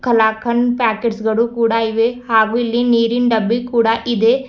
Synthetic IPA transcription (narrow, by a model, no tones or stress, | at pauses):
kʰɐlaːkʰɐnpaːkeɖsɡɐɽukuːɽaːiʋehaːɡuilːiniːɾinɖɐbːikuːɽaʔid̪eː